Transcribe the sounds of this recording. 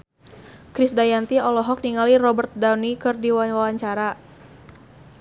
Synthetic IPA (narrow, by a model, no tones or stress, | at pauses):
kɾɪsdajant̪iɔlɔɦɔk̚niŋalirɔbərt̪̚danikɨrdiwawawaɲt͡ʃaɾa